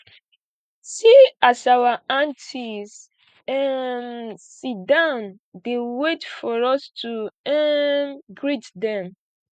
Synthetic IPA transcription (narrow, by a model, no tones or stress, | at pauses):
siasawaãntʰis | ɛnsidãn | dewetfɔɹɔstʰuɛ | ɡɹitdɛ̃m